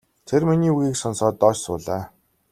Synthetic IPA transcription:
t̪ʰerminiːuɣiːksɔnsɔːt̪ːɔːt͡ɕsʊ̰ːɮaː

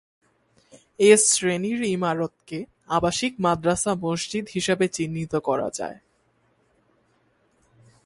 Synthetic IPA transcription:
esɾeniɾimaɾot̪ke | abaʃik̚mad̪ɾasamoʃd͡ʑid̪ɦiʃebet͡ɕinːit̪okɔɾa̰d͡ʑa̰e

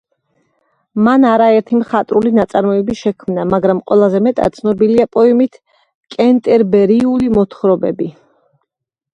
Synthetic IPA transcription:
manaɾaɛɾt̪ʰimχat̪ʼɾulinat̪sʼaɾmɔɛbiʃɛkʰmnamaɡɾamqʼwɛlˠazɛmɛt̪ʼa̰t̪t̪sʰnɔbiliapʼɔɛmit̪ʰ | kʼɛnt̪ʼɛɾbɛɾiulimɔt̪ʰχɾɔbɛ̰bi

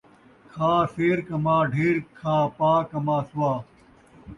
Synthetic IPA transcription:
kʰaːseːɾkɐmaːɖʱeːɾkʰaːpaːkɐmaːsuwaː

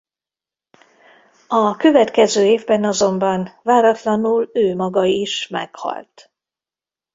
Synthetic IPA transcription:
ɒkø̞vɛt̪kɛzøːeːvbɛnɒzo̞mbɒnvaːɾɒt̪lɒnuløːmɒɡɒiʃmɛ̰khɒ̰lt̪

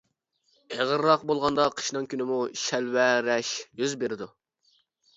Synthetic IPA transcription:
eʁəɾːɑqbolˠʁɑnd̪ɑqʰə̥ʃnɨŋkʲʰynɪmuʃɛlwɛɾɛʃjyzbeɾɪd̪u

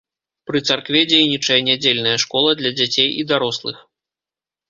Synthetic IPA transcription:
pɾɨt̪sarkvʲɛd͡zʲejnʲit͡ʂɐjɐnʲad͡zʲelʲnɐjɐʂkɔlˠɐd̪lʲɐd͡zʲat͡sʲejid̪aɾɔslˠɨ̰x

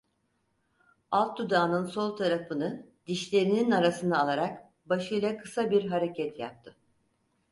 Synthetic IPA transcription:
alˠt̪̚d̪ud̪aːnɯnso̞lˠt̪ʰaɾafɯnɯd̪iʃlʲe̞ɾininaɾasɯnd̪aːlˠaɾak | baʃɯjlˠakʰɯ̥sabiɾɦaɾe̞cʰɛt̪ʰja̰p̚t̪ʰɯ

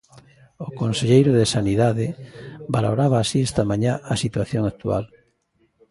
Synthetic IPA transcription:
okonseʎejɾʊðesaniðaðɪbalo̰ɾaβaːsiest̪amãɲaʔasit̪waθjoŋak̚t̪ua̰l

